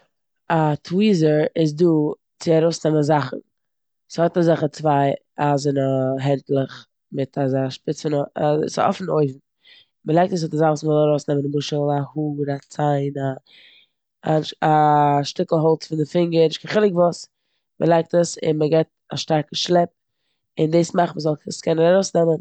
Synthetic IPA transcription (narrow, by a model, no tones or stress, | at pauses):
atʰwiːzəɾɪz̬duː | t͡sɪaɾoʊsnɛməzaχn̩ | shɔtazaχət͡svaɪ | azɪnəɦɛntlˠəχ | mɪtʰazaʃpɪt͡sfɪnsɔ̰fn̩oɪvm̩ | məlˠaɪk̚təs̬hɔtazaχsmɪlˠaɾoʊsnɛmənɪbʊʃəl̩ˠahuːɾat͡saɪna | aʃtɪkl̩ˠɦɔlˠt͡sfɪndɪfɪŋɡəɾnɪʃkʰaχɪlˠɪkvʊs | mʔəlˠaɪk̚təsɪ̰nməɡɛt̚ | a̰ʃtaɾkəʃlˠɛp̚ | ɪndeːsmaχməzɔlˠəskʰɛnəɾaɾoʊsnɛmən